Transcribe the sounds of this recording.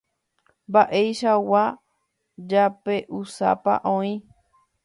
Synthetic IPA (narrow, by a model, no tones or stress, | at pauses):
baʔe̞jʃawa | d͡ʒape̞ʔusa̰pa̰ʔõĩ